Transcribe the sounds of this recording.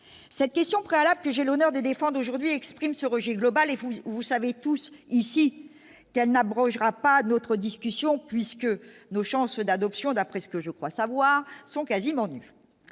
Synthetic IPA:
sɛt̪̚kʲɛst̪jɔ̃pχealablkəʒɛlonœʁd̪əd̪efɑ̃d̪ʁoʒuʁd̪ɥiɛkspχimsəʁəʒɛɡlɔbalevuvusavet̪usisi | kɛlnabʁɔ̃ʒʁapanot̪χəd̪iskʲysjɔ̃pɥiskənoʃɑ̃sd̪ad̪ɔpsjɔ̃d̪apχɛsə̥kəʒəkχwasavwaʁsɔ̃kazimɑ̃ny

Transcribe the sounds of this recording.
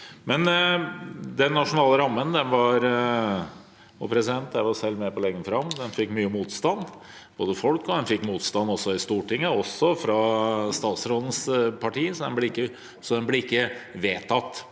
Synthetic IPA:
mɛn | d̪ɛnːɑʂʊnɑːləɾɑmːənd̪ɛnʋɑɾ | ɔpʰɾɛsɪd̪ɛnt̪jæɪʋɑɾsɛlːmepɔlɛŋɡːənfɾɑmd̪ɛnfɪkːmyːəmuːt̪st̪ɑnː | b̥oːd̪əfɔlkɔd̪ɛnfɪkːmuːt̪st̪ɑnːɔsːɔɪst̪uːʈɪŋːəɔsɔfɾɑst̪ɑːt̪sɾoːd̪ən̩spʰɑʈiːsɔd̪ɛ̰nblɛɪkːə | sɔd̪ɛnblɛɪkːəʋeːt̪ʰɑt̪ː

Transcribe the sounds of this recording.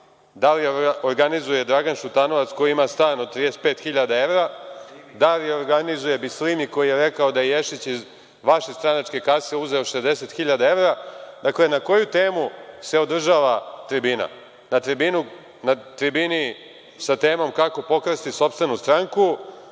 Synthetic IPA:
d̪alioɾɡanizuje̞d̪ɾaɡanʃut̪ano̞ʋat̪sko̞jiimast̪aːnod̪̚t̪ːɾid̪ese̥t̪pe̞ːt̪xiʎad̪ae̞ʋɾad̪alioɾɡanizuje̞bislimiko̞jijeɾekao̞d̪ajejeʃit͡ɕiz | ʋaʃest̪ɾanat͡ʂke̞kaseuze̞o̞ʃezd̪e̞se̞t̪xiʎad̪ae̞ʋɾad̪akle̞nako̞jut̪e̞ːmuse̞od̪r̩ʒaːʋat̪ɾibina̰ | nat̪ɾibinu | nat̪ɾibini | sat̪eːmo̞mkako̞po̞kɾst̪iso̞pst̪ʋe̞nust̪ɾaŋku

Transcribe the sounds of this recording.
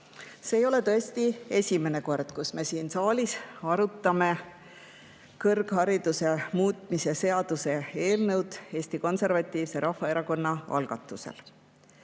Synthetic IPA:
se̞ːjo̞le̞t̪ɤesʲt̪ie̞sʲime̞ne̞ko̞rd̪̥kusme̞siːnsɑːlʲisɑɾut̪ːˑɑme̞ | kɤrɡ̥hɑɾid̪̥use̞muːt̪ˑmisese̞ɑd̪̥use̞e̞ːlnɤwd̪̥e̞ːsʲt̪iko̞nse̞rvɑt̪ːˑiːvse̞ɾɑhːɑeɾɑko̞nːɑɑ̰lɡ̥ɑt̪ːˑuse̞̰l

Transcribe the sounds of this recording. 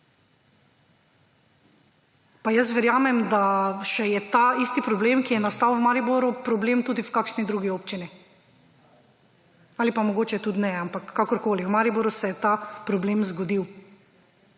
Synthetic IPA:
pajəs̬ʋɛɾjaːmɛmd̪aʃɛjɛt̪aist̪ipɾɔbleːmkijɛnast̪awwmaːɾiboɾupɾɔbleːmt̪uːd̪iwkaːkʃnid̪ɾuːɡioːpt͡ʃini | alipamɔɡoːt͡ʃɛt̪ut̪nɛampakːakɔɾkoːliwmaːɾiboɾusɛjɛt̪apɾɔbleːmzɡɔd̪iw

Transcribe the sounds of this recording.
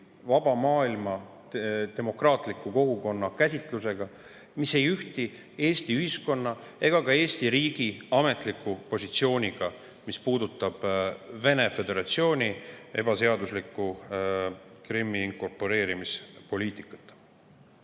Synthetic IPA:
vɑb̥ɑmɑːilmɑ | t̪e̞mo̞krɑːt̪ˑlikːˑuko̞ɡuko̞nːɑkæsʲit̪ˑluse̞ɡ̥ɑ | mise̞jyht̪i | e̞ːst̪iyhisko̞nːɑ | e̞ɡ̥ɑkɑe̞ːst̪iɾiːɡ̥iɑme̞t̪ˑlikːˑupo̞sʲit̪sio̞ːnʲiɡ̥ɑ | mispuːd̪ut̪ːˑɑb̥ve̞ne̞fe̞d̪e̞ɾɑt̪sio̞ːnʲie̞b̥ɑse̞ɑd̪uslikˑːu | kɾimːiŋko̞rpo̞ɾe̞ːɾimispo̞lʲiːt̪ˑikːˑɑ̥t̪ˑː

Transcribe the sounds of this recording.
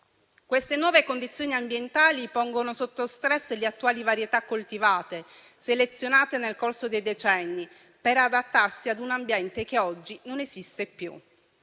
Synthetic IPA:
kwest̪enwɔːvekond̪it̪sːjoːniambjent̪aːlipɔŋɡonosot̪ːost̪ɾɛsːleat̪ːuaːlivaɾjet̪akːolt̪ivaːt̪e | selet̪sːjonaːt̪enelkorsod̪ejd̪et͡ʃɛnːi | peɾad̪at̪ːarsiad̪unambjɛnt̪ek̟eɔd͡ʒːinonezist̪epːjṵ

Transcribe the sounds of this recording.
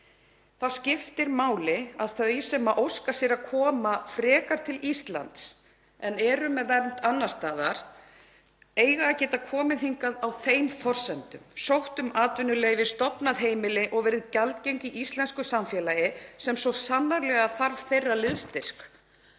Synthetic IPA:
θascɪft̪ɪɾmaːwlɪaðθœɥjsɛmaʔowskasjɛɾaðkʰɔːmafɾɛːkaɾ̥t̪ʰɪlist̪la̰nt̪s | ɛnɛɾʏmɛðvɛɾnt̪anːḁst̪aːðaɾ̥ | eːjɣaːcɛːt̪akʰɔːmɪθiŋkaðawθejmfɔr̥sɛnt̪ʏmsowht̪ʏmaːt̪vʏnʏleːjvɪst̪ɔpnaðɦeːjmɪlɪʔɔɣvɛːɾɪðcalt̪cejɲciʔist̪lɛnskʏsamfjɛːlajɪsɛmsɔsanːaɾlɛɣaθaɾv̥θejrːalɪðst̪ɪr̥k

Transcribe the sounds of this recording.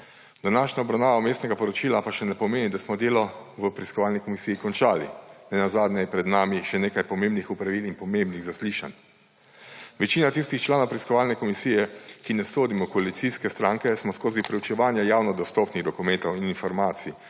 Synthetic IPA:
d̪̥anaːʃɲaɔbɾawnaːʋameːst̪nɛɡapɔɾɔt͡ʃiːlapaʃɛnɛpɔmeːnid̪asmɔd̪eːlɔʋəpɾiskɔʋaːlnikɔmisiːikɔnt͡ʃaːlḭnɛnazaːd̪nʲɛjɛpɾɛd̪naːmiʃɛneːkajpɔmembnixupɾaʋilinpɔmembniɣzasliːʃan | ʋɛt͡ʃiːnat̪ist̪ixt͡ʃlaːnowpɾiskɔʋaːlnɛkɔmisiːjɛkinɛsoːd̪imɔkɔalit̪siskɛst̪ɾaŋkɛsmɔskoːzipɾɛwt͡ʃɛʋaːnjajaːwnɔd̪ɔst̪ɔpniɣd̪ɔkumɛnt̪ɔwininfɔɾmaːt̪si

